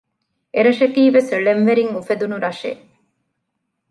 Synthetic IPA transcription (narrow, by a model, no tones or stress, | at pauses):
eɾɐʃɐkiːʋesɭenʋeɾiŋufed̪unuɾɐʃḛ